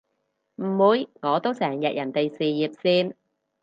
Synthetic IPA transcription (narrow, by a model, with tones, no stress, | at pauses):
m̩˨˩muː˨˧jŋɔː˨˧t̪o˥wsɛː˨˩ŋjɐ˨t̚jɐ˨˩nt̪e˨jsiː˨jiː˨p̚siː˥n